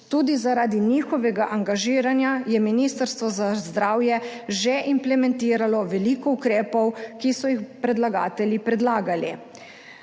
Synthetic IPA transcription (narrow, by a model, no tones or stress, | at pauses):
t̪uːd̪izaɾaːd̪iniːxɔʋɛɡaʔaŋɡaʒiːɾanjajɛminist̪əɾst̪ʋɔzazd̪ɾaːwjɛʒɛʔimplɛmɛ̃nt̪iːɾalɔʋɛlikɔukɾɛːpɔwkisɔjixpɾɛd̪laɡa̰ːt̪ɛljipɾɛd̪laːɡali